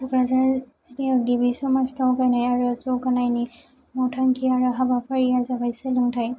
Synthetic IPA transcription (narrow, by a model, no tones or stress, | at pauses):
dukɹazaɹzitiɔɡibisɔmastɔwkajnajaɹuzɔkanajni | mɔtʰaŋkiaɹɔɦabapʰaɹijazabajsɛlɯŋtʰaj